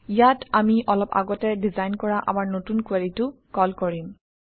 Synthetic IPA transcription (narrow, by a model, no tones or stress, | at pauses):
ijatamiʔɔlɔpa̰ɡɔtɛdizajnkɔɹaʔa̰maɹnotunkweɹitʊkɔlkɔɹim